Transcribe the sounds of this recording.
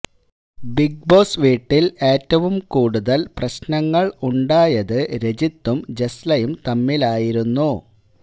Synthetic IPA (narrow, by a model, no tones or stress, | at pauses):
biɡ̚bo̞ːsʋiːʈːile̞ːtːɐʋumkuːɽuðɐlprɐɕnɐŋːɐɭuɳɖaːjɐðɨɾed͡ʑit̪ːumd͡ʑeslɐjumt̪ɐmːilaːjiɾunːu